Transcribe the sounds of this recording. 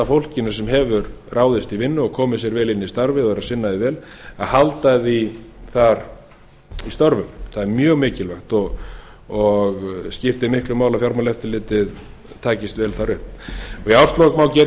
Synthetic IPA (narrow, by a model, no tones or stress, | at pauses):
afowl̥cɪnʏsɛmɦɛvʏɾraːwðɪst̪ivɪnːʏɔɣkʰɔːmʏsjɛɾvɛːlɪnːɪist̪aɾvɪðɔɣɛɾasɪnːaðɪvɛːl | aðhalt̪aðiθaɾ | ist̪ɔɾvʏmθaðɛɾmjœːɣmɪːcɪlvœxt̪ɔɣ | ɔɣscɪft̪ɪmɪhklʏmaːwlafjaɾmalɛft̪ɪlɪːt̪ɪð | t̪ʰaːcɪst̪vɛːlθaɾʏhpɔɣiawst̪lokmawcɛ